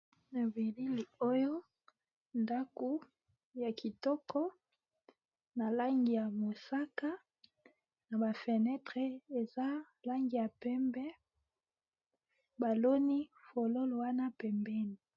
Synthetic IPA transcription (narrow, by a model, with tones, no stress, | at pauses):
na˨vi˨li˦li˨o˦jo˦ | nda˦ku˦ | ja˨kʰi˨tɔ˦kɔ˦ | na˨la˦ŋɡi˨ja˨mo˨sa˦ka˦ | na˨ba˨fe˨nɛ˦tʁe˨e˨za˦ | la˦ŋɡi˨ja˨pɛ˦mbɛ˦ | ba˨lo˦ni˦fo˨lo˦lo˨wa˦na˦pɛ˨mbɛ˦ni˨